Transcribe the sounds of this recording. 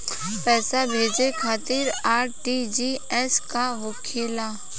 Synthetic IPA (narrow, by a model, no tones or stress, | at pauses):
pɛːsabʱeːd͡ʒekʰaːt̪iɾaːɾʈid͡ʒiɛskaɦʊkʰeːla